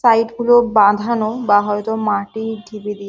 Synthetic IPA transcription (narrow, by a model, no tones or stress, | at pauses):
sajʈɡulobãd̪ʱanobaɦɔet̪omaʈiɖʱibed̪i